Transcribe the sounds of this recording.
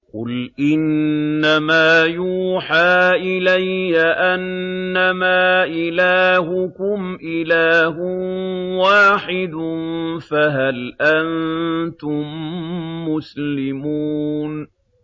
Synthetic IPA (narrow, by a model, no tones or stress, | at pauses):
qʊ̰lʔɪnːamaːjuːħaːʔɪlajːaʔanːamaːʔɪlaːhʊkʊmʔɪlaːɦʊwaːħɪd̪faɦalʔant̪ʊmː | ʊslɪmuːn